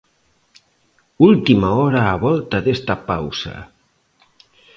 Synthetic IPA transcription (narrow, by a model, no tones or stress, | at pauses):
ulˠt̪imaɔɾaːβɔlˠt̪aðest̪apawsa̰